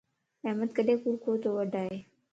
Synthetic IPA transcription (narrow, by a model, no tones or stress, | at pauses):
ɛːmət̪kəɗeːkuɾkʰoːt̪oːʋəɖʱaːɦeː